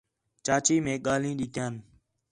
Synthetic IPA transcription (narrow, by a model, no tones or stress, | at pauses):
t͡ʃaːt͡ʃiːmẽːɠaːlĩːɗɪt̪ʰjaːn